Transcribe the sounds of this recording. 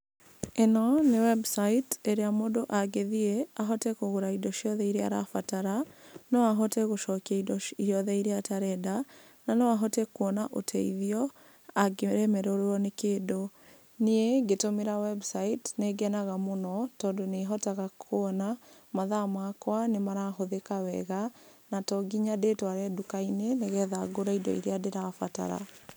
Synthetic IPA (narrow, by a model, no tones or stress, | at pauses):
enɔnewɛbsaiteɾeamodoʔaɡeðiɛaɦɔtɛkoɣoɾaidɔʃiɔðɛiɾea̰ɾa̰fataɾanɔaɦɔtɛɣoʃɔkiaidɔiɔðɛiɾeataɾɛda | nanɛwaɦɔtɛkwɔnaʔotʰɛiðiɔ | aɡeɾɛmɛɾoɾɔnekeːdo | neeɡetomeɾawɛbsaitneɡɛnaɣamonɔtɔːndoneɦɔtaɣakʰoɔnamaðamakwanemaɾaɦoðekawɛɣanatɔɡiɲadetwaɾɛdukaineneɣɛðaɡoɾaidɔ̰ḭɾeadeɾafata̰ɾa̰